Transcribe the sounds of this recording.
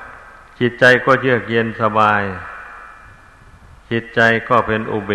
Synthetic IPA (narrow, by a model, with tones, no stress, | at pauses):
t͡ɕʰi˧˦˥t̪̚t͡ɕa˧jkɔː˥˩t͡ɕʰɯ˥˩ək̚je˧nsa˧baː˧j | t͡ɕʰi˧˥t̪̚t͡ɕa˧jkɔː˥˩pʰe˧nʔo˧beː˨˧˩